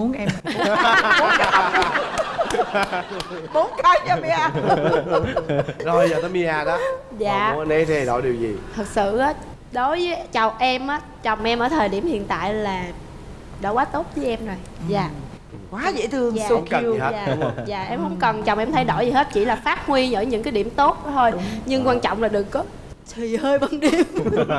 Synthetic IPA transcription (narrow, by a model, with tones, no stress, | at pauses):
mu˨˦ənʔɛ˧m˨˦ | ɓo˨˦nkʰaː˨˦jt͡ɕa˧mi˧ʔaː˧ | zo˧zəː˨˩t̪əː˨˦jmi˧aː˧ɗɔ˨˦ | za̰ː˨˧˨ne˨˦t̪ʰe˧ɗo̰˧˩ɗi˨˩əwzi˨˩t̪ʰɨ˨˩k̚sɨ̰˧˨ʔaː˨˦ | ɗo˨˦jvəː˨˦jt͡ɕa˨˩wʔɛ˧mʔaː˨˦ | t͡ɕɔ˨˩wŋ͡mʔɛ˧mʔəː˧˩t̪ʰəː˨˩jɗi˧˩əmhḭ˧˨ənt̪a̰ː˧˨jlaː˨˩ | ɗa̰˧˩waː˨˦t̪o˦˥t̚vəː˨˦jʔɛ˧mzo˨˩jzaː˨ | kwaː˨˦zɛ̰˧˥t̪ʰɨ˧əŋː˨˧˨zaː˨˩ʔɛ˧mhə̰˧˥wŋ͡mkə˨˩nt͡ɕɔ˨˩ŋ͡mʔɛ˧mt̪ʰə˨˦jɗo̰˧˩jzi˨˩ɦe˦˥t̚t͡ɕḭ˧˩laː˨˩faː˦˥t̚ŋwi˧ɲə̰ː˧˥˩jɲɨ̰˧˥ŋkaː˨˦jɗi˧˩əmt̪o˦˥t̚t̪ʰo˧jɲɨ˧ŋkwaː˧nt͡ɕɔ̰˧˨wŋ͡mlaː˨˩ɗɨ˨˩əkːɔ˨˦ | t̪ʰwi˨˩həː˧jɓə˧nɗi˧əm